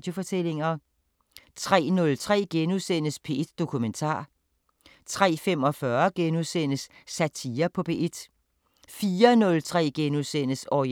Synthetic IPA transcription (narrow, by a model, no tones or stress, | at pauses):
d̥jo̝fɒ̽t͡sʰele̝ŋɐ | t͡sʰʁɛ̰ːnɔ̽lt͡sʰʁɛ̰ːɡ̥enusenəspʰe̝d̥d̥o̝kʰument͡sʰɑ̰̈ː | t͡sʰʁɛ̰ːfemɒ̽fɶɐɡ̥enuðˠsen̰əsːæt͡sʰiːɐpʰɒ̽pʰe̝ʔed̥ | fiːɐnɔ̽lt͡sʰʁɛ̰ːɡ̥enuðˠsen̰əsɒ